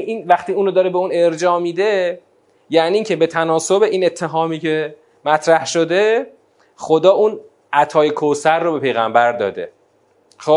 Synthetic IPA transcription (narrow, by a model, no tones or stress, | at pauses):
iːnvæχt̪iːuːnod̪ɒːɾebeuːne̞ɾd͡ʒɒːmid̪e̞ | jæːniːiːŋcʰe̞be̞t̪ʰænɒːsobe̞ʔiːne̞t̪ʰːe̞ɦɒːmiːcʰe̞ | mæt̪ʰɾæhʃo̞d̪e̞ | xod̪ɒːuːn | æt̪ʰɒːjekʰosæɾːobe̞pʰe̞jɣæmbæɾd̪ɒ̰ːd̪e̞̰ | xo